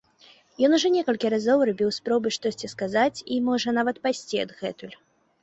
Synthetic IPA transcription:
jɔnuʐɔnʲɛkɐlʲkʲiɾazɔwrabʲiwspɾɔbɨʂt̪ɔsʲt͡sʲiskazat͡sʲimɔʐɐnavɐt̪pasʲt͡sʲiɐ̰d̪ɣɛt̪ulʲ

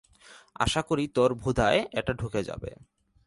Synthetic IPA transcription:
a̰ʃakoɾit̪ɔɾbʱud̪ʱaeɛʈaɖʱuked͡ʑa̰bḛ

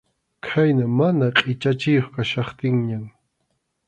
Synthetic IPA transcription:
kʰajnamanaqʼɪt͡ʃat͡ʃɪjoχkaʃɑχt̪ɪŋɲam

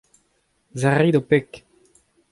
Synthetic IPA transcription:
zaʁid̪opɛk

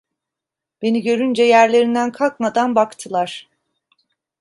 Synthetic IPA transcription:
b̥e̞niɟø̞ɾynd͡ʒɛjæɾlʲe̞ɾind̪ænkʰalˠk̚mad̪anbakt̪ʰɯlˠaɾ̥

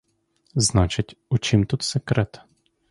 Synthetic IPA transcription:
znat͡ʃit̪ʲut͡ʃimt̪ut̪sɛkɾɛt̪

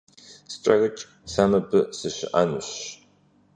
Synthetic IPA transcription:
sɨ̥ʈ͡ʂʼɐrɨt͡ʃʼ | saːmɐbɨsɨɕɪ̰ʔa̰nɨɕ

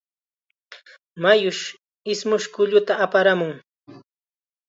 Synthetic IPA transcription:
majʊʃ | ɪsmʊʃkʊʎʊt̪aːpaɾamʊŋ

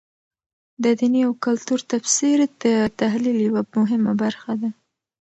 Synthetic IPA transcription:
d̪əd̪iniawkʊlt̪uɾt̪afsiɾd̪ət̪aɦliljawamʊɦɪma̰baɾxad̪a

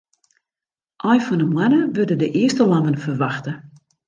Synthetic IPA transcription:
ʔɔjfɔnəmwɛnəʋødədəʔɪəstəlɑnənfərʋaxtə

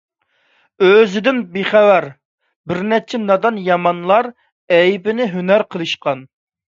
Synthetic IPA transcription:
øzɪd̪ɪnbeχɛwæɾ | bɪɾnɛt͡ʃʰɛnɑd̪ɑnjɑmɑnlˠɑɾ | ɛjbɪnɪɦynæɾqʰəlˠɨʃqɑn

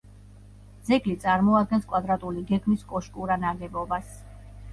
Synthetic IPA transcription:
dz̥ɛɡlit̪sʼaɾmɔad̪̚ɡɛnskʼwad̪ɾat̪ʼuliɡɛɡmiskʼɔʃkʼuɾanaɡɛbɔbas

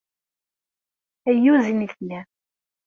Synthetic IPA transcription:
æjːuziniθnæ

